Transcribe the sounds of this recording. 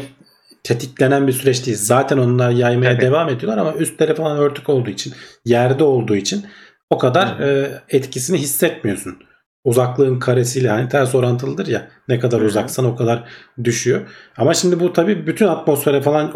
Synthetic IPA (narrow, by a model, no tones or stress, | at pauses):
t̪ʰet̪ʰiclʲe̞nænbisyɾɛt͡ʃd̪iːlzaːt̪ʰɛno̞nunːˠajajmajad̪evaːmed̪ijolˠaɾamayst̪leɾɛfalˠanø̞ɾt̪ʰyco̞lˠd̪uːit͡ʃʰinjæɾd̪ɛo̞lˠd̪uːit͡ʃʰin | o̞kʰad̪aɾɯːɛt̪cʰisiniɦisːɛt̪mijo̞sun | uzaklˠɯɯnkʰaɾesijlʲɛhanit̪ʰæɾso̞ɾant̪ʰɯlˠɯd̪ɯɾjanɛkʰad̪aɾuzaksano̞kʰad̪aɾd̪yʃyjo̞amaʃimd̪ibut̪ʰabiːbyt̪ʰynat̪mo̞sfeɾɛfalˠan